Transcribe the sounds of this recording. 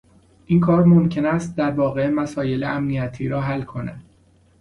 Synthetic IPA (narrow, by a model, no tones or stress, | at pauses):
ʔiːnkʰɒːɾmomcʰe̞næst̪̚d̪æɾvɒːɣe̞mæsɒːje̞leæmnijæt̪ʰiːɾɒːɦælkʰo̞næ̰d̪̥